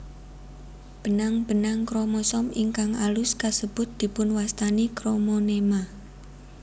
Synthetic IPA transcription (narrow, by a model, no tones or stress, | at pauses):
b̥ənaŋb̥ənaŋkɾomɔsɔmiŋkaŋalʊskasəb̥ʊt̪̚d̪̥i̤pʊnwast̪anikɾomonema